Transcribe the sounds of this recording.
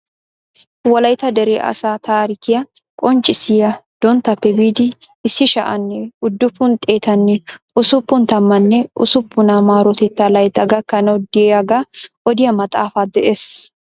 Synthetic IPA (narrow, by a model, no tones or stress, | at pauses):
wɐlɐjt̪ɐd̪ɛɾeːʔɐ̰saːt̪aːɾɪkɪjɐ | kʼɔnt͡ʃʼɪsɪjɐd̪̥ɔnt̪ɐpːɛbiːd̪ɪː | sːɪʃɐ̰ʔɐnːɛʊd̪ːʊpːʊnt̪ʼe̞ːt̪ɐnːɛ | ʊsʊpːʊnt̪ɐmːɐnːɛʔʊ̰sʊpːʊnamaːɾɔt̪ɛt̪ːalɐjt̪ːɐɡɐkːɐnɐwd̪ɪɛjɐɡaʔɔd̪ɪjɐmɐt̪ʼaːfaːd̪ɛʔeːs